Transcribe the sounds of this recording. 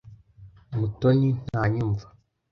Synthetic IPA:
mutoɲin̥haːɲuɱvḁ

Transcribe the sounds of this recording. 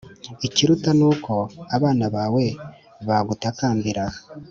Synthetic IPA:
iciɾutanuːkʰo̞aβaːnaβaːwe̞ | βaɡutakaːmbiɾa

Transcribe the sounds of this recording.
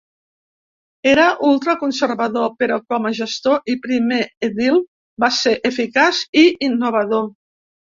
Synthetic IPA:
eɾəʔulˠt̪ɾəkunseɾβaðopeɾɔkɔmaʒəst̪oʔipɾimeeðilˠ | baseʔefikasiinːuβ̞aðo

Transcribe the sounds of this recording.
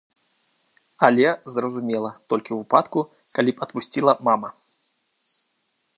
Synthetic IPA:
alʲɛzrɐzumʲɛlˠɐt̪ɔlʲkʲiwvɨpat̪ku | kalʲipɐt̪pusʲt͡sʲilˠɐmamɐ

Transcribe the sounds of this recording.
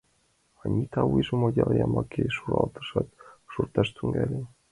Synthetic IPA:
ɑnʲit̪ʰɑwujʒomojʲɑlˠjɑmɑkʰejʃuɾɑ̰lˠt̪ɤ̥̆ʃɑt̪ʃurt̪ɑʃt̪yŋɡælʲen

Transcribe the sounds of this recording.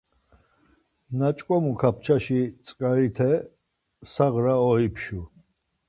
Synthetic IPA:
nat͡ʃʼkʼɔmukʰap̚ʰt͡ʃʰaʃit̪t͡s̪ʼkʼaɾit̪ʰɛ | saʁɾaɔipʰʃu

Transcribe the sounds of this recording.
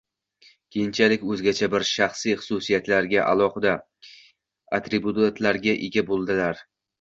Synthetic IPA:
kʲʰejɪnt͡ʃʰalɪkʲɵzɡʲat͡ʃʰabɪɾʃaχsijχʊ̥susijat̪laɾɡʲaʔa̰lˠɒχɨd̪a | at̪ɾebut̪at̪ʰlaɾɡʲaʔeɡʲabolˠd̪ɪlaɾ

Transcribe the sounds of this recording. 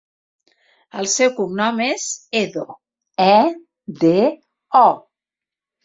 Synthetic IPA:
əlˠsɛwkumnɔmezeðo | ɛ | d̪e | ɔ

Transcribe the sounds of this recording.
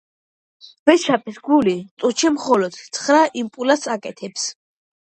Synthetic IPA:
v̥ɛʃapʼisɡulit̪sʼut͡ʃʰɛmχɔlɔd̪̥t̪sʰχɾaʔimpʼulasakʼɛt̪ʰɛps

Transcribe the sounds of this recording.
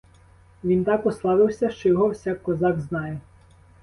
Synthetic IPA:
ʋʲint̪ɑkʊslˠɑʋɪwsʲɐʃt͡ʃɔjɔɦɔwsʲakkːɔzɑɡznɑjɛ

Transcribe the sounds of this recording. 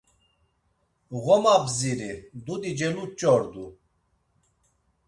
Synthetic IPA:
ɣɔmabziɾid̪ud̪id͡ʒɛlut͡ʃʼɔɾd̪u

